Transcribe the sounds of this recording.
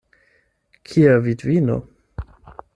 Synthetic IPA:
kʰiavidvino̰

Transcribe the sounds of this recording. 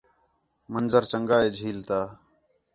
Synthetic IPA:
mənzəɾt͡ʃəŋɡaːeːd͡ʒʱiːlt̪aː

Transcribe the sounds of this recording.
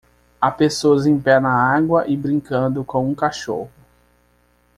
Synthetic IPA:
apesoɐzẽj̃pɛnɐaɡwɐʔɪbɾĩŋkɐ̃d̪ʊkõw̃ũkaʃoɦʊ

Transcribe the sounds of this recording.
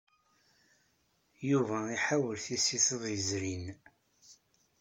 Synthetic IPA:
juvæiħawəlθisiθəðˤjəzɾin

